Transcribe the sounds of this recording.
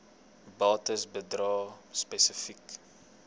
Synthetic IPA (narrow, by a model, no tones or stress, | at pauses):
bɑːtəsbədrɑːspɛsəfik